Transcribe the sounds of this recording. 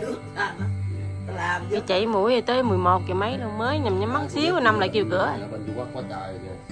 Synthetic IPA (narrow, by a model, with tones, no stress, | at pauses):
vi˨˩t͡ɕa̰˧˨jmu˧˩əjə˨˩t̪əː˨˦jmɨ˨˩əjmo˨˩t̚kḭ˧˩ma˨˦jlməː˨˦jɲa˨˩mɲa˨˦ma˨˦˥ŋ̚si˨˦əwna˧mla̰ː˧˨jki˧əwkɨ̰˧˥ə˨˩˨kwa˧˦kɔ˧˦t̪əː˧˨˩z